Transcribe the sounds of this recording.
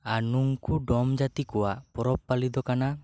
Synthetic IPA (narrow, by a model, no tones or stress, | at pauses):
anuŋkuɖɔmd͡ʒat̪ikɔwaʔpɔɾɔpːalid̪ɔkana